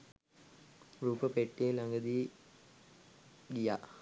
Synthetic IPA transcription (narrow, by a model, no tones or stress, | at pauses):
ruːpəpeʈːielaŋɡəd̪i | ɡijaː